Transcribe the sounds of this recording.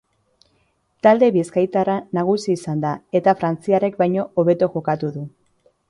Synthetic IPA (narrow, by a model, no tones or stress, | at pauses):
t̪ald̪e̞βiskajt̪aɾanaɣ̞usiːsand̪ae̞t̪afɾant͡siare̞kbajɲo̞oβe̞t̪oʝo̞kat̪uðu